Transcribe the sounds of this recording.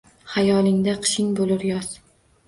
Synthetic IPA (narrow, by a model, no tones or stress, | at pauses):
hajɒlˠɪŋd̪aqʰɨ̥ʃɪŋbolɪɾjɒz̥